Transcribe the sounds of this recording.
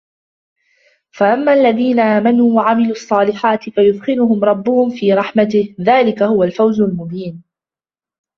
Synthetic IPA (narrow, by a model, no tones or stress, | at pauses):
faʔamːaːʔalːaðiːnaʔaːmanuːwaʕamɪluːʔɑsˤːɑːlɪħaːt̪ɪfajʊd̪xɪlʊhʊmɾˤɑbːʊhʊmfiːɾˤɑħmat̪ɪhðaːlɪkahʊwalfawzʊlmʊbiːn